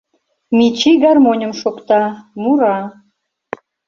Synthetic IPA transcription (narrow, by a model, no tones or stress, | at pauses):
mʲit͡ɕiɡɑrmonʲə̆mʃokt̪ɑmuɾɑ